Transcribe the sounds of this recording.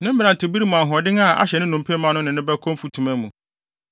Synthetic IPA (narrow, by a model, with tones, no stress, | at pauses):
nɪ̃˦m̩˦bã˨n˨tʰɪ˨bi˦ɾi˦mũ˨a˨ɦɔ˨dɪ̃˦ŋa˦˨ʔa̰˦ɕɛ˨nɪ̃˦nũ˨m˨pʰe˦mã˦nʊ̃˦nɪ̃˨nɪ̃˦bɛ˦kʰɔ̃˦m˦fu˦tʰũ˨mæ̃˦mũ˨